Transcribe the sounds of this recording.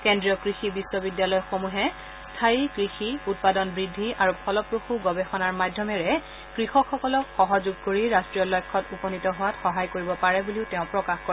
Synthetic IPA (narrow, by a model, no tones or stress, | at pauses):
kendɹijɔkɹixibisːɔbidjalɔjxomuɦɛ | stʰaikɹixiut̚padɔnbɹidʱːiaɹupʰɔlɔpɹoxuɡɔbɛxɔnaɹmadʱjɔmɛɹɛ | kɹixɔkʰxɔkɔlɔkxɔɦɔzuɡ̚koɹiɹastɹijɔlɔjkʰːɔtupɔnitɔɦʊwatxɔɦajkoɹibɔpaɹɛbuliʊteʊ̃pɹɔkaxkoɹ